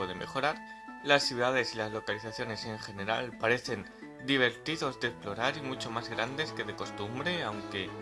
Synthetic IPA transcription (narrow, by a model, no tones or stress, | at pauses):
eðeme̞̰xo̞ɾaɾ | lasθjuðaðe̞silazlo̞kaliθaθjo̞ne̞se̞ŋxe̞ne̞ɾa̰lpaɾe̞θe̞n | d̪iβ̞e̞ɾt̪iðo̞zd̪eksplo̞ɾaɾimut͡ʃo̞mazɣɾand̪e̞ske̞ðe̞ko̞st̪umbɾe̞awŋke̞